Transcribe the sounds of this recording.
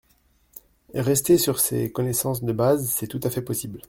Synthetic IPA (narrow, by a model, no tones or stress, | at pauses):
ʁɛst̪esyʁsḛkɔnɛsɑ̃sd̪əbazsɛt̪ut̪afɛpɔsibl